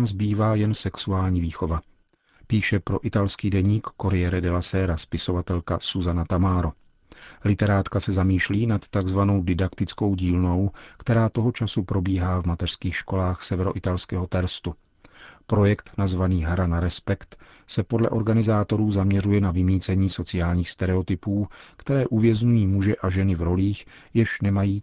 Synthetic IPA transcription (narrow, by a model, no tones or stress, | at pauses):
mzbiːvaːjɛnsɛksuaːlɲiːviːxo̞va | piːʃɛpɾo̞ʔɪt̪alskiːdɛɲiːkːoɾɪjɛɾɛdɛlasɛːɾaspɪso̞vat̪ɛlkasuzanat̪amaːɾo | lɪt̪ɛɾaːt̪kasɛzamiːʃliːnat̪ːaɡzvano̞wdɪdakt̪ɪt͡sko̞wɟiːlno̞wkt̪ɛɾaːt̪o̞ɦo̞t͡ʃasupɾo̞biːɦaːvmat̪ɛr̥skiːxʃko̞laːxsɛvɛɾo̞ʔɪt̪alskɛːɦo̞t̪ɛlst̪u | pɾo̞jɛkt̪nazvaniːɦɾanaɾɛspɛkt̪ | sɛpodlɛ̰ʔoɾɡanɪzaːt̪o̞ɾuːzamɲɛɾujɛnavɪmiːt͡sɛɲiːso̞t͡sɪaːlɲiːxst̪ɛɾɛo̞t̪ɪpuːkt̪ɛɾɛːʔuvjɛzɲujiːmuʒɛʔaʒɛnɪvɾo̞liːx | jɛʃnɛmajiː